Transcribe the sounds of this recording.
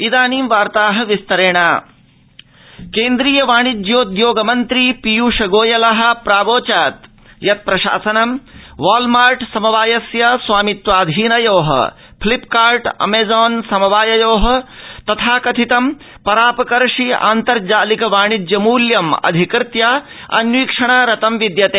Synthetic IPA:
id̪aːniːmʋaːɾt̪aːɦɐʋist̪ɐɾeːɳaː | keːnd̪ɾiːjɐʋaːɳ̃id̪joːd̪joːɡɐmɐnt̪ɾipijuːʃɐɡoːjɐlɐɦɐ̆pɾaːboːt͡ʃaːt̪ | jɐt̪̚pɾɐʃa̰ːsɐnɐmʋaːlmaːɾʈsɐmɐʋaːjɐsjɐswaːmit̪ʋaːd̪ʱiːnɐjoːɦɐ̰ | pʰlipkaːɾʈɐ̰meːzɔːnsɐmɐʋaːjɐjoːɦɐ̆t̪ɐt̪ʰaːkɐt̪ʰit̪ɐm | pɐɾaːpɐkɐɾʂia̰ːnt̪ɐɾd͡ʒaːlikɐʋaːɳ̃id̪jɐmuːljɐmɐ̰d̪ʱikɾɪt̪ja | ɐ̰njwiːkʂɐɳ̃aɾɐt̪ɐmʋid̪jɐt̪eː

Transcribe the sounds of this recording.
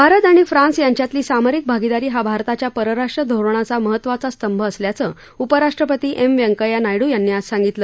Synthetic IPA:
bʱaɾət̪aɽ̃ifɾãnsjaɲt͡ɕjat̪liːsamaɾik̚bʱaɡid̪aɾiːɦabʱaɾt̪at͡ɕjapəɾəɾaʂʈɾəd̪ʱoɾɳ̃at͡saməɦət̪ːʋat͡sast̪əmbʱəːsljat͡sə | upəɾaʂʈɾəpət̪iːʔemʋjəŋkəjanajɽuːjanːiːassãŋɡit̪ləː

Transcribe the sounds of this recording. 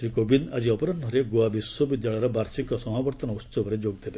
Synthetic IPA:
ʃɾikobinad͡ʒiɔpɔɾɔndʱɔɾeɡoabiswɔbid̪jaɭɔjɾɔbaɾsikɔsɔmabɔɾt̪ɔnɔust͡ʃɔbɔɾed͡ʒoɡ̚d̪ebe

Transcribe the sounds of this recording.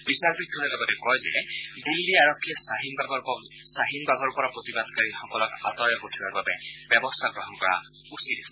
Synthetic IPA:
bisaɹbɹid̪̚dʱɔnɛlɔɡɔtɛkɔjzɛ̰ | d̪ilːiaɹɔkʰːijɔsaɦinaɡɔ | saɦinbaɡɔɹpɔɹapɹot̪ibad̪kaɹixɔkɔlɔka̰tɔjɔpotʰibaɹbabɛ | bjɛbɔstʰaɡɹɔɦɔnkɔɹa̰ | usidɛsɛ

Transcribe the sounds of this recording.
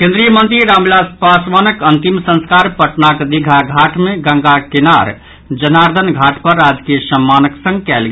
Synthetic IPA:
kẽnd̪ɾijəmənt̪ɾiɾamlaspasmanəkənt̪imsə̃nskaɾpəʈnakd̪iɡʱaɡʱaʈmeɡə̃ŋɡakenaɾ | d͡ʒənaɾd̪ʱənɡʱaʈpəɾːad͡ʒkijəsəmːanəksə̃ŋɡkɛlɡe

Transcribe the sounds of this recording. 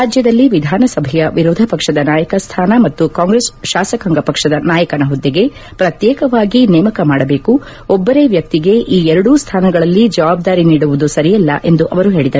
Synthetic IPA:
ɾaːd͡ʒjɐd̪ɐlːiʋid̪ʱaːnɐsɐbʱɛjɐʋiɾɔːd̪ʱɐpɐkʂɐd̪ɐnaːjɐkɐst̪ʰaːnɐmɐt̪ːukaːŋɡɾesʃaːsɐkɐŋɡɐpɐkʂɐd̪ɐnaːjɐkɐnɐɦɔd̪ːiɡe̞ | pɾɐt̪jɛːkɐʋaːɡinɛːmɐkɐmaːɽɐbe̞ːku | ɔbːɐɾe̞ːʋjɐk̚t̪iɡe̞ʔiːɛɾɐɽust̪ʰaːnɐɡɐɭɐlːid͡ʒɐʋaːb̚d̪aːɾiniːɽuʋud̪usɐɾijɐlːɐ̰ʔe̞nd̪uʔɐʋɐɾuɦe̞ːɭid̪ɐɾu

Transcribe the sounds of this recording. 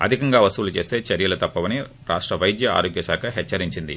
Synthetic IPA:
ɐ̰d̪ʱikɐŋɡaːʋɐst̪uʋulut͡ʃe̞ːst̪e̞ːt͡ʃɐɾjɐlut̪ɐpːɐʋɐni | ɾa̰ːʂʈɾɐʋɐjd̪jɐa̰ːɾoːɡjɐsaːkʰɐɦɛt͡ʃːɐɾiɲt͡ʃind̪ḭ

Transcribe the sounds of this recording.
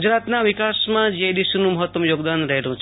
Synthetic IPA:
ud͡ʒɾat̪naʋikasmãd͡ʒed̪iʃunũməɦət̪wəmjoːɡd̪anɾəɦelũt͡ʃʰ

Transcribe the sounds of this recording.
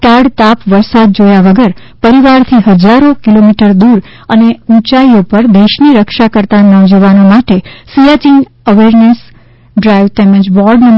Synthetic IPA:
kaɽt̪apʋəɾsad̪̚d͡ʒojaʋəɡəɾ | pəɾiʋaɾt̪ʰiɦəd͡ʒaɾokilomiʈəɾd̪uɾ | əneũt͡ʃaiopəɾd̪eʃniɾəkʃakəɾt̪anɔ̃d͡ʒəʋanomaʈesijat͡ʃin | əʋeɾnes | ɖɾajʋt̪emə̃d͡ʒbɔɾɖnən

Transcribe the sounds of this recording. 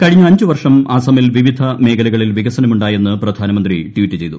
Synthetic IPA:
kɐɻiɲːɐɐɲd͡ʑuʋɐrʂɐmʔaːsɐmilʋiʋid̪ʱɐme̞ːkʰɐlɐɣɐɭilʋiɡɐsɐnɐmuɳɖaːje̞nːɨprɐd̪ʱaːnɐmɐnd̪riʈʋitːɨt͡ɕe̞jt̪u

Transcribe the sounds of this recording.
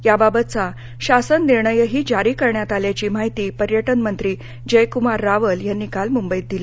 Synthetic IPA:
jababət̪̚t͡sa | ɕasənːiɾɳəjəɦiːd͡ʑaɾiːkəɾɳjat̪aljat͡ɕiːmaɦit̪iːpəɾjəʈənmənt̪ɾiː | d͡ʑəjkumaɾːaʋəljanːiːkalmumbəjt̪̚d̪ila

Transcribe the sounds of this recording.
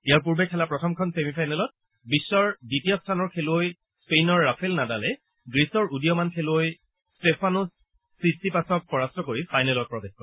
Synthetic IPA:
ijaɹp̬uɹbɛkʰɛlapɹɔtʰɔmkʰɔnsemipʰajnɛlɔt̚ | bisːɔɹditijɔstʰanɔɹkʰeloj | spejnɔɹːapʰɛlnadalɛ | ɡɹisɔɹudijɔmankʰeloj | stepʰanusː | isipasɔk̚pɔɹastɹɔkoɹipʰajnɛlɔt̚pɹɔbexkɔɹ

